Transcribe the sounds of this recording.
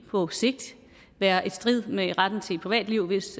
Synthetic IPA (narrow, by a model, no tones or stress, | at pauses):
pʰɒ̽se̝ɡ̥̚d̥ | ʋæːɐʔe̝d̥sd̥ʁið̰ˠmeʁad̥n̩t͡sʰe̝̥pʰʁiʋɛ̰ːd̥liʊ̰ʋe̝s